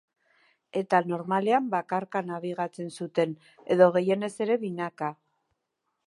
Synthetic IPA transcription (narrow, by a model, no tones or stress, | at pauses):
e̞t̪ano̞ɾmale̞ambakaɾkanaβ̞iɣat͡se̞nsut̪e̞n | e̞ðo̞ɣ̞e̞je̞ne̞se̞ɾe̞βinaka